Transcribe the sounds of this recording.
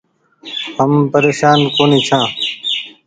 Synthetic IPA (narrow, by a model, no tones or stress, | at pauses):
ɦəmpəɾeːʃaːnkoːniːt͡ʃʰãː